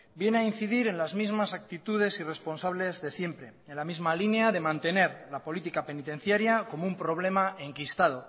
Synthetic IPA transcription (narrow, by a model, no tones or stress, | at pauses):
bje̞neain̟θiðiɾe̞nlazmizmasak̚t̪it̪uð̞e̞sire̞spo̞nsaβle̞zðe̞sje̞mpɾe̞enlamizmalineaðe̞mãnt̪e̞ne̞ɾlapo̞lit̪ikape̞nit̪ẽ̞n̟θjaɾjako̞moumpɾo̞β̞le̞mae̞ŋkist̪að̞o̞